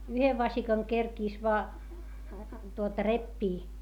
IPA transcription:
yheʋ ʋɑsikɑŋ kerkiˑs ʋoɑ tuotɑ repːiː

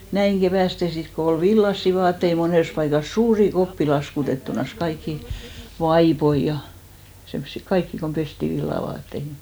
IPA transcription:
næiŋ ɡ̊eʋæˑste sit ko ol ʋilːɑsːi ʋɑːtːei moneˑs pɑikɑs suːri kopːi lɑskutetːunɑs kɑikːi ʋɑipoi jɑ semsːi kɑikːi kom pesti ʋilːɑʋɑːtːeihi

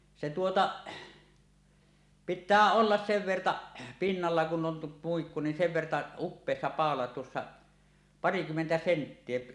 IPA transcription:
se tuotɑ pitˑæː olːɑs seʋ ʋertɑʔ pinːɑlːɑ kun om muikːu nin seʋ ʋertɑ upːeˑisːɑ pɑˑolɑ tuosːɑ pɑrikymːentæ sentːie

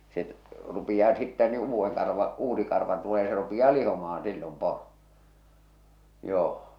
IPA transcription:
se rupij̆ɑː sitːæ ni uːʋːeŋ kɑrʋɑ uːsi kɑrʋɑ tuleː se rupij̆ɑː lihomɑhɑ̃ː silːom poro joː

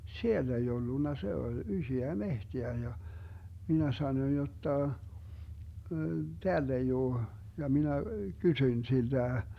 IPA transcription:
sielː ei olːunːɑ se olʲ ysøæ mehteæ jɑ minæ sɑnoĭn jotːɑ teælː ei oː jɑ minæ kysyĭn sild̥æ

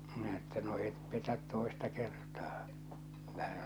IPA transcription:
minæ etːæ no et petæt toˑestɑ kertɑː kylːæ se

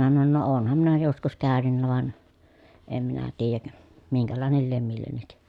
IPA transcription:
minæ sɑnon no oːnhɑm minæ joskus kæːnynːæ ʋɑn em minæ tiːjæk miŋkælɑˑenel liem milːenːik

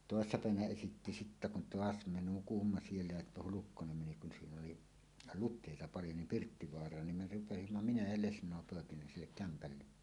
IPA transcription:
toˑesːɑ pæˑeʋænæ esitːi sitːæ kun toɑs me nukumːɑ sielːæ jɑ hulukːonem meni kun siːn oli lutˑeˑitɑ pɑljo nim pirtːiʋoɑrˑɑːn nim me rupesimːɑ minæ jɑ lesnˑoˑe poˑekineːn silːek kæmpælːe

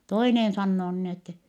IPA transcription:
toinen sɑnːoː nin etːɛ

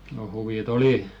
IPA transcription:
no huʋit oli

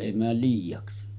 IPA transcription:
eˑi mæːl liːjɑksi

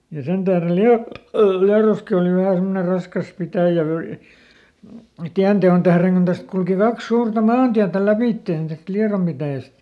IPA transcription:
jɑ sen tæhrel liɑ liɑroski oˑli ʋæhæ semːone rɑskɑs pitæˑjæ ʋøi tiæn teon tæhreŋ kun tæst kulki kɑks suːrtɑ mɑːntiætæ læpiˑtːeˑn tæst liɑrom pitæˑjæst

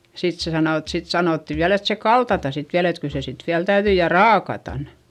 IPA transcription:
sit se sɑnoˑ et sit sɑnoˑtːi ʋiæl et se kɑltɑtɑ sit ʋiæl et kyl se sit ʋiæl tæyðyi jɑ rɑːkɑtɑn

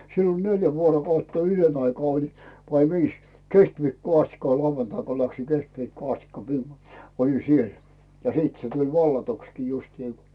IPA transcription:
siːn olʲ neljæ ʋuorokɑutːɑ yløn ɑikɑː olin ʋɑi ʋiːs keskʋiːkːoː ɑstikːɑ ko lɑuʋɑntɑi ko læksiŋ keskʋiːkːoː ɑstikːɑ mi olin̞ siel jɑ siːt se tulʲ ʋɑlːɑtukskiː justiː

